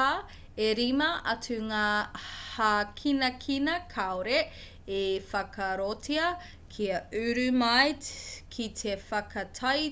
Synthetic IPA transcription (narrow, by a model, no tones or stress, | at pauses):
a | eɾimɐʔɐtʉŋaːhakʰinɐkʰinɐkʰaoɾe | efɐkʰɐɾotʰiɐ | kʰiɐʉɾʉmajtkʰitʰefɐkʰɐtʰɐj